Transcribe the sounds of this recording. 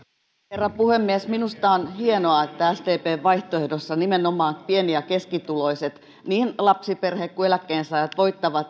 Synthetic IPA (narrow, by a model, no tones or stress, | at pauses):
herːɑpuhemːiesminust̪ɑonhienoɑet̪ːææst̪eːpeːʋʋɑiht̪oehdosːɑnimenomˑɑːpieniækeskit̪uloiset̪ | niːnlɑpsiperhekkuelækːˑeːnsɑːjɑt̪ʋoit̪ːɑʋɑt̪